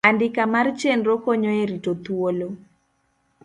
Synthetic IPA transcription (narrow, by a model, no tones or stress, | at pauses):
andɪkamaɾt͡ʃenɾokɔɲɔeɾitot̪uolo